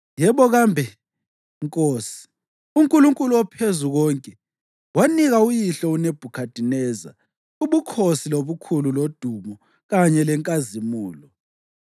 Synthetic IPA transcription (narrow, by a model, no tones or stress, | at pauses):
jɛβɔɣambʱɛ | ŋkʼoːsi̥ | uŋkʼuluŋkʼuluwɔpʰezuɣɔːŋkʼɛ | waniɣaujiɬɔuneb̥ʱukʰad̥ʱinɛːza̰ | uβukʰosiloβukʰululod̥ʱumɔ | ɣaɲɛlɛŋkʼazimuːlɔ